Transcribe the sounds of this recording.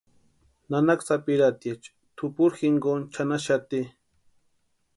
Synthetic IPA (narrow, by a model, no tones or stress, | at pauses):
nanaksapiɾat̪et͡ʃ | t̪ʰʊpuɾxiŋɡont͡ʃʰanaʃat̪i